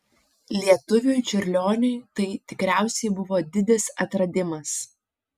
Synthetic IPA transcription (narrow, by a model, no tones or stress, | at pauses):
lʲiɛt̪ʊʋʲʊjt͡ʃʲʊɾʲlʲoːnʲʊɪt̪ɐɪt̪ʲɪkɾʲæˑʊsʲɛɪbʊʋoːd̪ʲɪd̪ʲɪsɐt̪ɾɐd̪ʲɪmɐs